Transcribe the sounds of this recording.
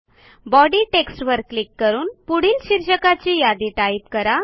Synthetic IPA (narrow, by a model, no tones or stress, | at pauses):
bɔɽiːʈeksʈʋəɾkːlikːəɾuːnpuɽ̤iːlɕiɾɕəkat͡ɕijad̪iʈaip̚kəɾa